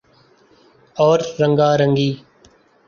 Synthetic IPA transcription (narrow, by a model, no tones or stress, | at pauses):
ɔːɾːəŋɡaːɾəŋɡiː